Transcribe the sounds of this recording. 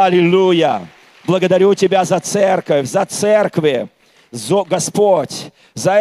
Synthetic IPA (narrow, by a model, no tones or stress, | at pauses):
ɐlʲɪlʲujə | blˠəɡəd̪ɐɾʲutʲɪbʲazɐt̪sɛrkəfʲzɐt̪sɛrkvʲɪ | zoɡɐspotʲ | zɐ